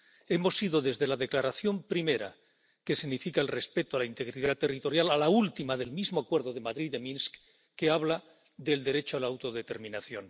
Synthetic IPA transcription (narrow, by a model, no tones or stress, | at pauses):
e̞mo̞siðo̞ðe̞zðe̞laðe̞klaɾaθjo̞mpɾime̞ɾa̰ | ke̞siɣnifikaelrespe̞t̪oalaint̪e̞ɣɾiðat̪ːe̞rit̪o̞ɾjalalault̪imaðe̞lmizmoakwe̞ɾðo̞ðe̞maðɾiðemĩnsk | kːe̞aβla | ðe̞ld̪e̞ɾe̞t͡ʃoalaːwt̪o̞ðe̞t̪e̞ɾmĩnaθjo̞n